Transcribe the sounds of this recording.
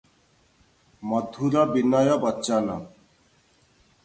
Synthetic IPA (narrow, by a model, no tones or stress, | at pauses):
mɔd̪ʱuɾɔbinːajɔbɔtːɕanɔ̰